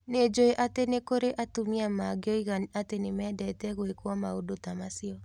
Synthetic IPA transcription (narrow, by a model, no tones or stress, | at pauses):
ned͡ʒoeʔatenekoɾeʔatumiamaɡeɔiɣanatenemɛːdɛtɛɣwekwɔmaodotamasiɔ